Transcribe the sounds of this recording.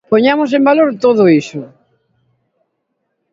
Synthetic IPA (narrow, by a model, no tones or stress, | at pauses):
poɲamosẽmbaloɾt̪oðʊisʊ